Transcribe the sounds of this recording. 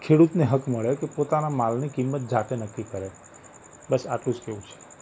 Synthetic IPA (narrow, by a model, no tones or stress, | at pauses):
kʰeɽut̪neɦəkməɭekepot̪anamalnikimːət̪̚d͡ʒʱaʈenəkːikəɾe | bəsa̰ʈlũd͡ʒkeʋũt͡ʃʰe̥